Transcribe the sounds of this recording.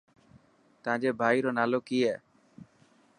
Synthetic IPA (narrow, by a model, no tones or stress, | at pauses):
t̪ãd͡ʒebʱajɾonalokie